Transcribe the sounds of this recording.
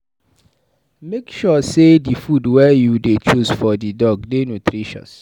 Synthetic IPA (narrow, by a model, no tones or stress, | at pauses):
mekʃɔsedifudwɛjudet͡ʃusfɔdidɔɡdenutʰɾiʃɔ̰̃s